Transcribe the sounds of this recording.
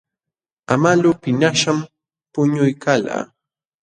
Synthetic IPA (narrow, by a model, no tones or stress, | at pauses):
amalʊːpɪnaʃam | pʊɲʊjkala̰ː